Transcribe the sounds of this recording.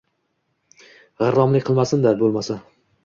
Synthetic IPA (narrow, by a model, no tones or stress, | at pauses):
ʁɑɾːɒmlɪkʲqʰɨlˠmasɪnd̪abolˠmasa